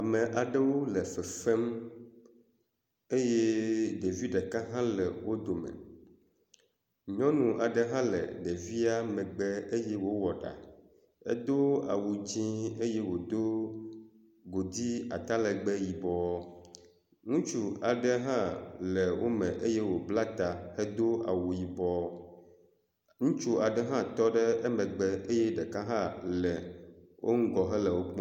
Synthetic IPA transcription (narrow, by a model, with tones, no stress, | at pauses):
a˨mɛ̃˨ʔa˨ɖɛ˦wo˦lɛ˨fɛ˨fɛ˦m | e˦je˦ɖe˨vi˦ɖɛ˨ka˦ɦã˦lɛ˨wo˦d̪o˨mɛ̰˨ | ɲɔ̃˦nũ˨ʔa˨ɖɛ˨ɦã˦lɛ̰˨ɖe˨vi˦a˦mɛ̃˨ɡ͡bɛ˦e˦jɛ˦wo˦wɔ˨ɖa̰˨ | ḛ˦d̪o˦a̰˨wu˨d͡ʑĩ˦e˦je˦wo˨d̪o˦ | ɡo˨d̪i˦a̰˨t̪a˦lɛ˨ɡ͡bɛ˦ji˨bɔ˨ɔ˦ | ŋũ˦t͡ʃu˦a˨ɖɛ˦ɦã˦lɛ˨wo˦mɛ̃˨ʔe˦jɛ˦wo˨bla˦t̪a˨hɛ˦d̪o˦a̰˨wu˨ji˨bɔ˦ | ŋũ˦t͡ʃu˦a˨ɖɛ˦ɦã˦t̪ɔ˦ɖɛ˦e˦mɛ̃˨ɡ͡bɛ˨ʔe˦jɛ˦ɖɛ˨ka˦ɦã˦lɛ˨wʔo˦ŋ̩˦ɡɔ˨ɦɛ˦lɛ˨wo˦k͡pɔ̃˦